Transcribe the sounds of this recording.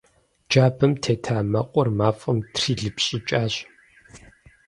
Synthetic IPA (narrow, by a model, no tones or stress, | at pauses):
d͡ʒaːbɨmtʰeːtʰaːmɐqʷʼɔrmaːfʼɐmtʰriːɮɨpɕʼɪt͡ʃʼaːɕ